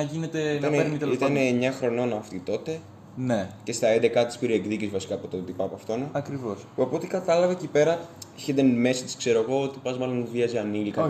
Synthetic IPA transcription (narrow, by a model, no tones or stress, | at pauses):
ʝinet̪eit̪ɐneiit̪ɐneːɲːɐxɾo̞no̞nɐːft̪it̪o̞t̪e̞ | nece̞st̪ɐend̪e̞kɐt̪i̥spiɾieɡðicizvɐsi̥kɐːpot̪ot̪ipɐpɐft̪o̞nɐɐkɾivospuɐpo̞t̪ikɐt̪ɐlɐvɐcipe̞ɾɐeçed̪enme̞sit̪i̥skse̞ɾoeɣo̞ot̪i̥pɐzmɐlo̞nviɐziɐnilikɐ